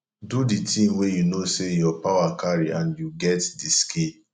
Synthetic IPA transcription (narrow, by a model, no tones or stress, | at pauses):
duditĩmwejunosejɔpawakaɾiãnjuɡɛtdiske